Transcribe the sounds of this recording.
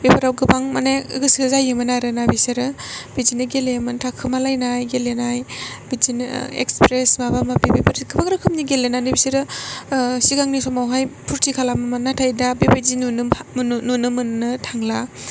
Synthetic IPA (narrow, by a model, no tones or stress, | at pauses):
bipʰaɾawɡɯbaŋmana̰ɡɯsizajɯmɯnaɾɯnabiseɾɯb̥izinɯɡelemɯntʰakʰːɯmalajnajɡelenajbid͡ʒinḛkspɾesmabamabibipʰɯɾɡ̥ɯbaŋɾɯkʰɯmniɡelenanɯbiseɾɯ | siɡaŋnisɔmawɦajpʰuɾtʰikʰalamamanːatʰajdabibed͡ʒinunnunɯmɯnːɯtʰaŋla